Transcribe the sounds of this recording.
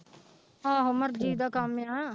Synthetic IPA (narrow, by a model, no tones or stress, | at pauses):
aːɦʊməɾd͡ʒiːd̪aːkaːmːãːɦɛ̃ː